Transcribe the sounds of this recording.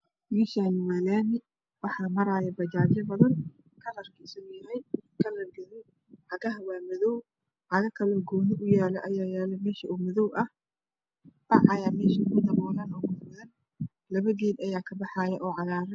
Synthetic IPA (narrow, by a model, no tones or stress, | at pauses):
miʃaːnɪmɐlɛːnɪ | wɑħɑːmɐɾaːjɐbɐd͡ʒaːd͡ʒɐbɐðɐn | kʰɐrɐrkʰɐɪsɐɡʊjɐɦɛjkʰɐlɐɡɐðɔ | ħɑɣɐɦɐwaːmɐðɔw | ħɑɣɐkʰɐlɔɡɔːnɪʔʊjaːlɛʔɐjaːjaːlɛmɛːʃɐumʊðɔwʔɐh | bɑʕɑjamɛːʃɐʊmʊd̪ɐmɔːlanɔːɡʊmɐn | lɐβɐɣiːd̪ɐjaːkʰɐbɑħɑːjɐʔɔːʕɑɣaːɾɛ